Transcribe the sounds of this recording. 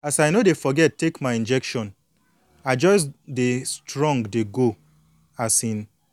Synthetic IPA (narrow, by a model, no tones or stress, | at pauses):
asajnodefɔɡɛttːekmaɪĩnd͡ʒɛkʃɔ̃n | aɪd͡ʒɔɪsdestɹɔ̃ŋɡdeɡo | asĩn